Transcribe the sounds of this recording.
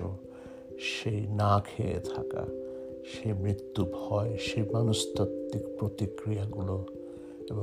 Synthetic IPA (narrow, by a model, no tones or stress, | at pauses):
o̰ | ʃejnakʰeḛt̪ʰa̰ka̰ | ʃejmɾit̪ːubʱɔeʃejmanuʃt̪opt̪ːikpɾot̪ikɾiaɡulo | ebo